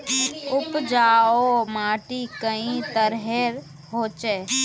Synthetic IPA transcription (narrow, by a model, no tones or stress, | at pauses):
ʊpd͡ʒaːomaːʈikəĩt̪əɾɦeɾ | ɦoːt͡ʃeː